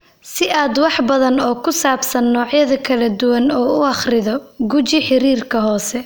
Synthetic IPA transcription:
sɪʔaːd̪wɑħbɐðɐnɔːkʰʊsaːbsɐnːɔːʕjɐðɐkʰɐlɐd̪ʊwɐnɔːʊɑχrɪðɔɡʊt͡ʃɪħɪɾiːrkʰɐɦɔːsɛ

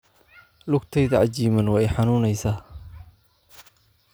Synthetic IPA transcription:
lʊɡt̪ʰɛjðɐʕɑt͡ʃiːmɐnwɑːɛjħɑnuːnɛjsaː

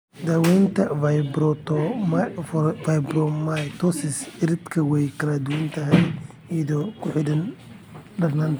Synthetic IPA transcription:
d̪aːwɛjnt̪ʰɐfɐjbɾɔt̪ɔmfajbɾɔmajt̪ʰɔsɪsɪɾɪd̪kʰɐwɛjkʰɐɾɐd̪ʊwɐnt̪ʰɐɦɛj | iðɔkʰʊħɪdɐn | ɖɐrnant̪ʰɐ

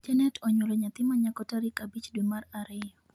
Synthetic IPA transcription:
d͡ʒanɛt̪ʰɔɲulɔɲat̪imaɲakɔtaɾikabit͡ʃdɛmaraɾɛ

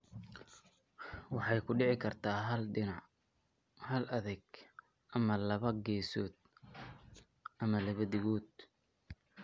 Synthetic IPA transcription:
wɑħɑjkʰʊɖɪʕɪkʰɐrt̪ʰaːɦɐlɖɪnɑʕ | hɐlɐðɛɡ | ʔɐmɐlɐβɐɡɛːsɔːd̪ | ʔɐmɐlɐβɐd̪ɪɣɔːd̪

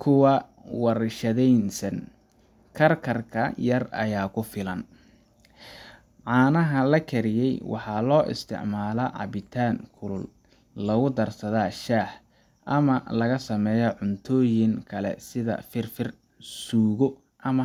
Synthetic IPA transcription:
kʰʊwɐ | wɑrʃɐðɛjnsɐn | kʰɐrkʰɐrkʰɐjɐrɐ̰jaːkʰʊfɪlɐn | ʕɑːnɐɦɐlɐkʰɛɾɪjɛjwɑ̰ħɑlɔːʔɪ̰st̪ʰɪ̰ʕmaːlɐʕɑ̰βɪt̪ʰaːŋkʰʊlʊl | lɐɣʊd̪ɐrsɐðaːʃaːħ | ʔɐmɐlɐɣɐsɐmɛːjɔʕʊnt̪ʰɔːjɪŋkʰɐlɛ̰sɪðɐ̰fɪrfɪr | suːɣɔ | ʔɐmɐ

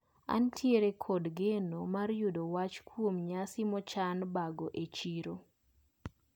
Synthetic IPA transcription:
a̰ntʰjeɾekʰodɡenomarjudowat͡ʃkwomɲasɪmɔt͡ʃanbaɡoʔet͡ʃiɾo

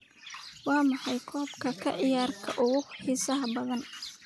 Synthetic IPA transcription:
wɑːmɑħɑjkʰɔːbkʰɐkʰɐʕɪjaːrkʰɐʔʊɣʊhiːsɐɦɐbɐðɐn

